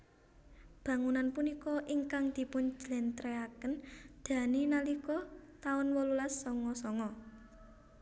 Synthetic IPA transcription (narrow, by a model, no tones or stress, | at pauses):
b̥ä̤ŋunanpunikɔʔiŋkaŋd̪̥i̤pʊnd͡ʒ̥lɛnt̪ɾeakənd̪̥ä̤ninalikɔt̪aʊnwɔlulasːɔŋɔsɔŋɔ